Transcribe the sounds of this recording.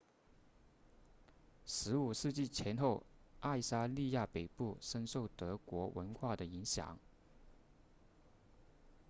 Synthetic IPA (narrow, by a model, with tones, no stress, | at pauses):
ʂɻ̩˧˥u˨˩ʂɻ̩˥˧t͡ɕi˥˩t͡ɕʰjɛ˧˥nxo˥˧ʊa˥˩ɪsa˥li˥˧ja˥˩pe˨˩ɪpu˥˩ʂə˥nʂo˥˩ʊt̪ɤ˧˥kwɔ˧˥wʔə̰˧˥nxwa˥˩d̪ə˩i˧˥ŋɕjɑ̰˨˩˦ŋ